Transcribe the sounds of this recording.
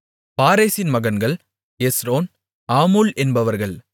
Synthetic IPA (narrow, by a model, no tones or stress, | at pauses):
paːɾeːsɪnmɐɣɐnɡɐɭ | esɾoːn | aːmuːlɛnbɐʋɐɾɣɐɭ